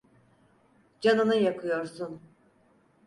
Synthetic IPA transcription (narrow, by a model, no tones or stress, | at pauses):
d͡ʒanɯnɯjakʰɯjo̞ɾsun